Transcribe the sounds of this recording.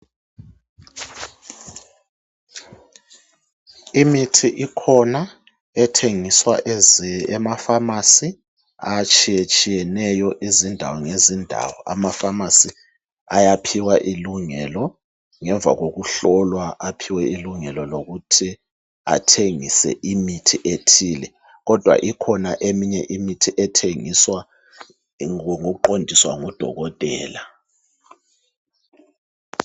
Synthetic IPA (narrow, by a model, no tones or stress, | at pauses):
imitʰiʔikʰɔna | ɛtʰeŋiswa | ɛmafamasi | at͡ʃʼijet͡ʃʼijɛnɛjɔʔizindʱa̰wɔŋezindʱa̰wɔa̰mafamasi | ajapʰiwaʔiluŋɛlɔ | ŋɛɱb̪vʱa̰ɣok̬uɬɔlwaʔapʰiwɛiluŋɛlɔloɣ̬utʰi | a̰tʰeŋisɛ̰ʔimitʰiʔetʰiːlɛ | ɣ̬ɔd̥ʱwa̰ʔikʰɔnaʔemiɲɛʔimitʰiʔɛtʰeŋiswa | ŋuǃondʱiswaŋud̥ʱɔ̰ɣɔtʼɛ̰ːla